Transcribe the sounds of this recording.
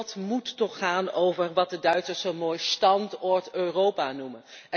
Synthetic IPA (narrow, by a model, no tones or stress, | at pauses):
tmutːɔχaːnowvəɹʋɑt̚dədœɥtsəɹsonmoːjstɑntɔɹtøːrowpaːnumən | ɛ